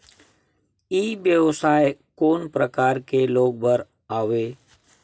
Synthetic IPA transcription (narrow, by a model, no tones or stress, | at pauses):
iːbjəwsaːjekoːnpɾəkaːɾkeloːɡ̚bəɾ | aːʋeː